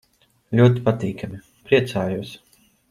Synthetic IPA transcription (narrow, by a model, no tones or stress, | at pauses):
lʲuɔt̪̬ipat̪iːkami | pɾiɛt̪saːjuɔs